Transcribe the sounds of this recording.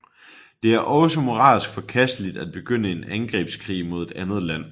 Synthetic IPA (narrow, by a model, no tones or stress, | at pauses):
d̥e̝æɐʔɒ̽səmo̝ʁɑ̰̈ːsɡ̥fɒ̽kʰæsd̥əlid̥æd̥̚b̥e̝ɡ̥øn̰əe̝nænɡ̥ʁḭːb̥skʰʁḭːmo̝ð̞ˠe̝d̥ænð̞̩ˠlæn̰